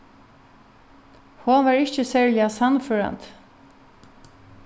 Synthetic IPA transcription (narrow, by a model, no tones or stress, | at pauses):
honʋaːɹɪçt͡ʃəsɛːɹlɪasanføːɹa̰nt̪